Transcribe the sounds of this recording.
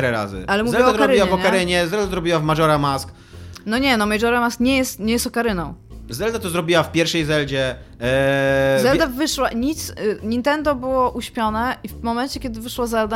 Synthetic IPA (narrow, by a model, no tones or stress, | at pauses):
ɾɛɾa̰zɘ̰alɛmuvɛld̪ɔɾaɔɾiwaɛvɔɲkaɾɘɲɛzɛld̪azɾɔbʲiwavmaʐɔɾamask | nɔɲɛnɔmaʐɔɾamaskɲɛjɛst̪ɲɛjɛst̪ɔkaɾɘnɔ̃w̃zɛld̪at̪ɔzɾɔbʲiwafpʲjɛɾfʂɛjzɛld͡ʑɛ | zɛld̪avɘʂwaɲit̪sɲint̪ɛnd̪ɔbɘwɔʔuɕpʲjɔnɛʔivmɔmɛnt͡ɕɛkʲjɛd̪ɘvɘʂwazɛld̪a